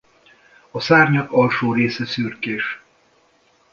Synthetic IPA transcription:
ɒsaːrɲɒkɒlʃoːɾeːsɛsyrkeːʃ

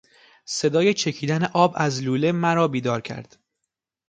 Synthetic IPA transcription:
se̞d̪ɒːje̞t͡ʃʰe̞cʰiːd̪æneʔɒːbæzluːle̞mæɾɒːbiːd̪ɒːɾcʰæ̰ɾd̪̥

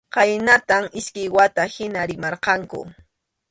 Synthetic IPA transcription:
qɑjnat̪amɪskɪjwat̪ahɪnaɾɪmɑɾqɑŋkʊ̰

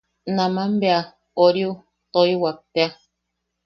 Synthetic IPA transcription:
nãmãmbea | oɾiu | t̪oiwat̪ea

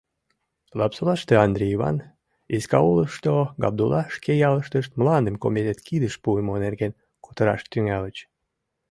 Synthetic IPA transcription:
lɑpsolɑʃt̪eɑnd̪ɾʲeiβɑ̰n | iskɑuləʃt̪oɡɑ̰b̚d̪ulɑʃkejɑləʃt̪əʃt̪mlɑnd̪əmkomed̪et̪kid̪əʃpuemonerɣen | kot̪əɾɑ̰ʃt̪yŋælət͡ɕ

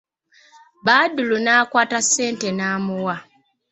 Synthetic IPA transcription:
βaːdulunaːkwaːtasːe̞ːnte̞naːmuwa

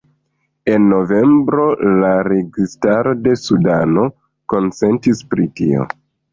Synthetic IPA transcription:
e̞nːo̞ve̞mbɾo̞laɾe̞ɡistaɾo̞de̞sudano̞ | ko̞nt͡se̞ntispɾitḭo̞̰

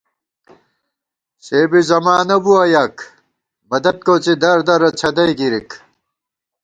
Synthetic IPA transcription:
ɕeːbizɐmaːnɐbuɐjak | mɐd̪ɐt̪̚kot͡sid̪ɐɾd̪ɐɾɐt͡ɕʰɐd̪ɐjkiɾik

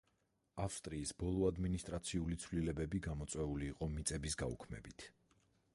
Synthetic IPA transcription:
afst̪ʼɾiːsbɔlˠɔad̪minist̪ʼɾat̪sʰiulit̪sʰvlilɛbɛbiɡamɔt̪sʼwɛuliːqʼɔmit̪sʼɛbisɡaṵkʰmɛ̰bit̪ʰ

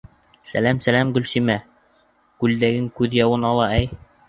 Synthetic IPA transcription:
sæ̰læmsælæmɡɵ̆lʃimæ | kʉld̪æɡɘŋkʉðjɑwɤnɑlˠɑæj

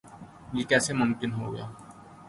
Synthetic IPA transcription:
jikɛːsemʊ̃mkɪnɦoɡə̰ja̰ː

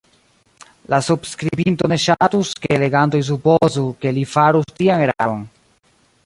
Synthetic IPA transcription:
lasubskɾibinto̞ne̞ʃatuskeele̞ɡanto̞js̬upozuke̞lifaɾustiane̞ɾa̰ɾon

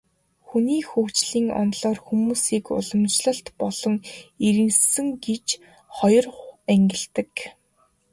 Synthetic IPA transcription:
xuniːxuːxt͡ɕɮiːŋɔ̰nɮɔːrxumuːsiːkʊ̰ɮɞ̆mt͡ɕɮə̆ɬt̪pɔɮ̥ɞ̆ŋiɾɘ̆nssɘ̆ŋɡet͡ɕ | χɔjɞ̆ræŋɡʲɪ̆ɮt̪ɘ̆k

